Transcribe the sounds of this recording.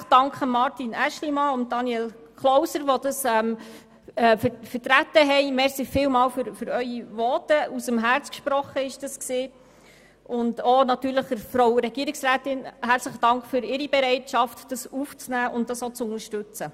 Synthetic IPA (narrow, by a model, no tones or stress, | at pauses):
χd̥ɑŋkχəmɑɾtinæʃlimɑʊnt̚dɑniɛl | kʰlɔwsəɾʋɔd̥ɑsɛm | ɛffətɾætəɦɛɪmɛɾsifɪwmɑːwfʏɾføɾœʏiʋɔːtəusəmɦæɾt͡skʃpɾɔχəɪʃd̥ɑsksiː | ʔʊndonɑtyːɾləχəɾfɾowɾɛɡiəɾɪksɾæːtɪnhæɾt͡sləχəd̥ɑŋkχfʏɾɪɾibɛɾɛɪtʃɑftd̥ɑsuft͡snæːʔʊntdɑsot͡sʊnəɾʃtʉt͡sə